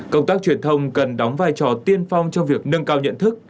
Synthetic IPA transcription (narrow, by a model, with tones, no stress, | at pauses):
kə˧wŋ͡mt̪aː˦˥k̚t͡ɕwi˧˩ənt̪ʰə˧wŋ͡mkə˨˩nɗa˨˦wŋ͡mvaː˧jt͡ɕɔ˧˩t̪i˧ənfa˧wŋ͡mt͡ɕɔ˧ŋ͡mvi˨˩ək̚nə˧ŋkaː˧wɲə̰˧˨nt̪ʰɨ˦˥k̚